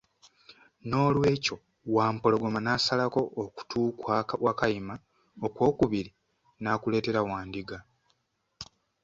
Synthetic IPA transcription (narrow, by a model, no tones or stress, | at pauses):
no̞ːlwe̞ːco̞ | waːmpo̞lo̞ɡo̞manaːsalako̞ːku̥tʰuːkwawakajima | okwo̞ːkuβiɾi | nakule̞ːte̞ɾawaːndiɡa